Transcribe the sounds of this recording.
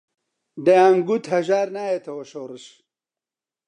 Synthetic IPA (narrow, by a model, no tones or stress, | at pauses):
d̪ɐjaːŋɡut̪hɐʒaːɾnaːjet̪ʰɐwɐʃoːrɨʃ